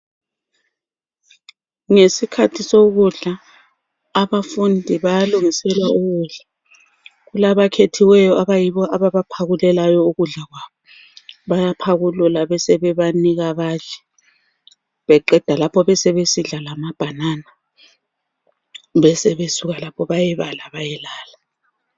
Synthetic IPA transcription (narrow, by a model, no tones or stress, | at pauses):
ŋesikʰatʰisoɣuɮaː | βafundʱiβajaluŋisɛlwauɣuːɮa | ɣulaβakʰetʰiwɛjɔaβajiβɔʔaβaβapʰaɣulɛlajɔuɣuɮaɣwaːβɔ | βajapʰaɣululaβɛsɛβɛβaniɣaβaːt͡ʃɛ̥ | βɛǃɛǃd̥ʱalapʰɔβɛsɛβesiɮalamab̥ʱanana | βɛsɛβesuɣalapʰɔβajɛβalaβajɛlaːla